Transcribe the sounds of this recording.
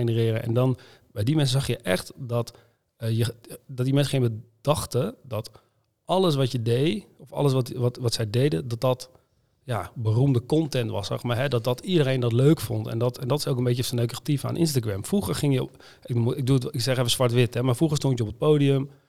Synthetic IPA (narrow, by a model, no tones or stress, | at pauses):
enərɪːrəʔɛ̰ndɔn | bɛjdimɛnsəzɑxjəʔɛxtdɔt | əjədɔt̚dimɛnsəχɪŋəd̥ɑxtədɔt | ʔɑləs̬ʋɔtjədejɔfɑ̰ləs̬ɔtʋɔtʋɔtsɛjdejdədɔt̚dɔt | jabərumdəkɔntɛntʋɑ̰sɑ̰xmajɦɛdɔt̚dɔtidərejndɔtløːkfɔntɛ̰ndɔtɛndɔtɪ̥sokənbetəsənøɥkəatifa̰nʔɪ̰nstaɡɹɛmfruχərχɪŋjə | ɪmɪk̚ɡduətɪksɛχɛfəsʋaɹtʋɪtɛmaɹfruχəstɔntjəɔpət̚poːdiəm